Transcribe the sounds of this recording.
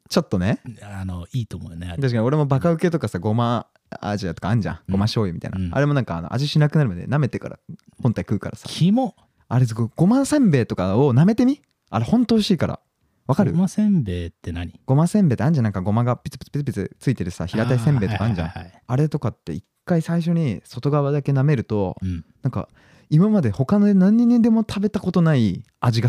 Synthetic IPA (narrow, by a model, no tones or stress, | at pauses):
t͡ɕo̞t̪ːo̞ne̞anoiːt̪omonet̪aɕi̥kaɲio̞ɾe̞mo̞bakaɯ̟ke̞t̪o̞kasaɡo̞ma | a̰ʑiat̪o̞kãːɲ̟d͡ʑã̰ɡ̥o̞maɕo̞ːjɯmʲit̪a̰ḭna̰ɾe̞mo̞nãŋkaːno̞̰ʔa̰ʑiɕinakɯ̟naɾɯ̟mad̪ḛname̞t̪e̞ka̰ɾa̰ | hõnt̪aikɯ̟ːka̰ɾasḁ̰imo | aɾezɡoɡ̥o̞masẽ̞mbe̞ːt̪o̞kaoname̞t̪e̞mʲi | aɾe̞hõ̞nt̪o̞ːɕiːkaɾʔa̰ | βakaɾɯ̟sẽmbeːt̪ːenaiɡ̥o̞mãsẽ̞mbe̞ːt̪eãn̟d͡ʑãnãŋkaɡo̞maɡapʲi̥t͡sɨ̥pʲi̥t͡sɨ̥pi̥t͡sɨ̥pit͡sɨt͡sɨit̪e̞ɾɯ̟sa̰çiɾat̪aisẽ̞mbe̞ːt̪kãnɲd͡ʑã̰aɾe̞t̪o̞kat̪ːe̞̰ikːaisaiɕ̬o̞ɲ̟iso̞t̪o̞ɡaβad̪ake̞name̞ɾɯ̟t̪o̞nãŋka̰ | imamad̪eho̞kanonãɲ̟ːĩɲ̟ːend̪e̞mo̞t̪ʰabe̞t̪ako̞t̪o̞nai | aʑiɡa